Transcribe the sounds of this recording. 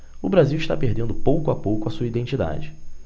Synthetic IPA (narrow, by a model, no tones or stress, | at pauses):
ʊbɾaziwiʃt̪a̰peɦd̪ẽnd̪ʊpowkʊapowkʊɐsuɐid̪ẽnt͡ʃid̪a̰d͡ʒɪ